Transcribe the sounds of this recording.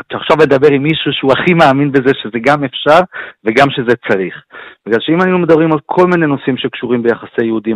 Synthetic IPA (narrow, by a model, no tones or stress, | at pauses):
at̪aχʃavled̪abe̞ʁimːiʃuʃeuaχimaaminbezeʃeze̞ɡamefʃaʁveɡamʃe̞zet͡saʁiχbiɡlalʃeimaninumed̪abʁimalkʰo̞lmine̞no̞simʃe̞kʃuʁimbejaχasejeud̪im